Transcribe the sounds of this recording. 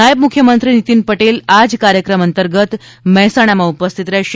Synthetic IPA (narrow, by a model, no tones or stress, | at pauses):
ajəbmukʰːjəmənt̪ɾinit̪iːnpəʈelad͡zkaɾjəkɾəmənt̪əɾɡət̪ | məɦsaɽ̃amaupəst̪ʰit̪ɾeɕ